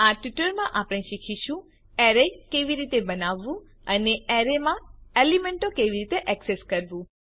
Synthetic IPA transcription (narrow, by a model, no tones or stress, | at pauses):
aʈiʈəɾmãʔapɽ̃ẽʃikʰiʃũ | ɛɾekeʋiɾit̪ebənaʋːũ | əneɛɾemãelimeɳʈokeʋiɾit̪eʔɛkseskəɾʋũ